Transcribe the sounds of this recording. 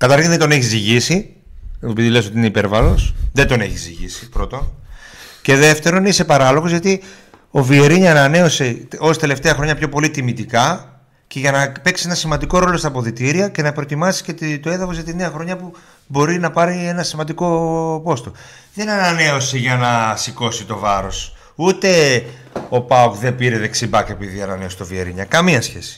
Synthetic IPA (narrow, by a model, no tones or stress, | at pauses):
kɐt̪ɐɾçinðend̪o̞ne̞çiziʝisi | eopiðiles̬ot̪iineipe̞ɾvɐlo̞sðend̪o̞ne̞̰çizḭʝḭsi̥pɾo̞t̪o̞n | ce̞ðe̞ft̪e̞ɾo̞nise̞pɐɾɐlo̞ɣozʝɐt̪i | o̞vieɾiɲɐnɐne̞o̞se̞o̞st̪e̞le̞ft̪e̞ɐxɾo̞ɲɐpço̞po̞lit̪imit̪ikɐ | ce̞ʝɐnɐpe̞ksienɐsimɐnd̪iko̞ɾo̞lo̞st̪ɐpo̞ðit̪iɾiɐce̞nɐpɾot̪imɐsi̥cet̪t̪o̞e̞ðɐfozʝɐt̪ineɐxɾo̞ɲɐpu | bo̞ɾinɐpɐɾie̞nɐsimɐnd̪iko̞po̞st̪o̞ | ðe̞nɐnɐne̞o̞seʝɐnɐsiko̞sit̪o̞vɐɾo̞s | ut̪e̞ | o̞pɐopðe̞piɾe̞ðe̞ksibɐke̞piðiɐnɐ̰ne̞o̞st̪ovie̞̰ɾḭɲɐ̰kɐmiɐsçe̞̰si̥